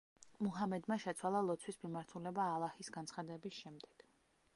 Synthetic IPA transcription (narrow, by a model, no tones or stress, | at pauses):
muɦamɛd̪maʃɛt̪sʰwalˠalˠɔt̪sʰwismimaɾt̪ʰulɛbaːlˠahisɡant̪sχad̪ɛbisʃɛmd̪ɛɡ̥